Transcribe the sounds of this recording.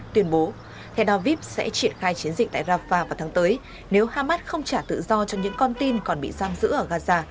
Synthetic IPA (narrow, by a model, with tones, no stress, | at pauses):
t̪wi˧ənɓo˨˦ | t̪ʰɛ˧wɗɔ˧vi˦˥p̚sɛ̰˧˥t͡ɕi˧˩ənxaː˧jt͡ɕi˨˦ənzï̟˨˩t̪a̰ː˧˨zaː˧vaː˧˩vaː˨˩wt̪ʰaː˨˦ŋt̪əː˨˦j | ne˨˦whaː˧maː˦˥t̚xə˧wŋ͡mt͡ɕaː˧˩t̪ɨ̰˧˨zɔ˧t͡ɕɔ˧ɲɨ̰˧˥ŋkɔ˧nt̪i˧nkɔ˨˩nɓḭ˧˨zaː˧mzɨ̰˧˥ʔəː˧˩ɣaː˧zaː˧